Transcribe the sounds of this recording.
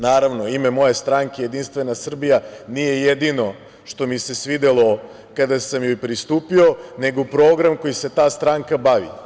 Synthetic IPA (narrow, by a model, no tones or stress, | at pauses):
naːɾaʋnoimemo̞je̞st̪ɾaŋkeje̞d̪inst̪ʋe̞nasr̩bijanije̞jed̪ino̞ | ʃt̪o̞mise̞sʋid̪elˠo̞ | kad̪asamjojpɾist̪uːpio̞ne̞ɡopɾoːɡɾamko̞jise̞t̪aːst̪ɾaŋkabaʋḭ